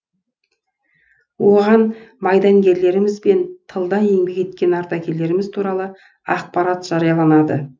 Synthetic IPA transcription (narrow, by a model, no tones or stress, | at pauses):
wo̞ʁɑnmɑjd̪ɑŋɡʲe̞ɾle̞ɾɪmɪzbe̞nt̪ʰəlˠd̪ɑje̞ŋbe̞ke̞t̪kʲe̞nɑɾt̪ɑkʲʰe̞lːe̞ɾɪmɪzt̪ʰuɾɑlˠə | ɑq̚pɑɾɑt̪ʒ̥ɑɾijɑlˠɑnɑd̪ə̰